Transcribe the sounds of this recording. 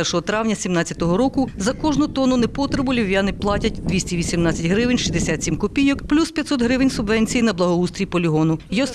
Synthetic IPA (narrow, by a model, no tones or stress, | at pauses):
ɛrʃɔɦɔt̪ɾɑwnʲɐsʲimnɑt͡sʲjɐt̪ɔɦɔɾɔkʊzɐkɔʒnʊt̪ɔnʊnɛpɔt̪ɾebʊlʲiwjanɪplˠɑtʲɐtʲd̪ʋʲisʲtʲiʋʲisʲimnɑt͡sʲɐtʲɦɾɪʋɪnʲʃizd̪esʲat̪ʲsʲimkɔpʲijɔkplʲuspʲjɐt̪ʲsɔt̪ɦɾɪʋɪnʲsʊbʋɛnʲt͡sʲijinɐblˠɐɦɔust̪ɾʲipɔlʲiɦɔnʊjɔs